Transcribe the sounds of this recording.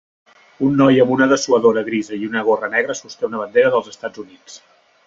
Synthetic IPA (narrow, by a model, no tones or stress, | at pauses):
unːɔjəmbunəðəsuəðoɾəɣɾizəiunəɣorənɛɣɾəsust̪ɛunəβ̞ənd̪eɾəðəlˠzəst̪ad͡zunit͡s